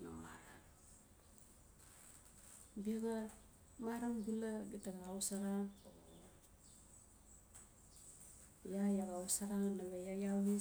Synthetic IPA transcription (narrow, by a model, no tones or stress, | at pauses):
na̰ma̰ɾa | biaɡa | maɾaŋɡulaɡitaɡaawsaɾa | jajaɡausaɾanaɡajajai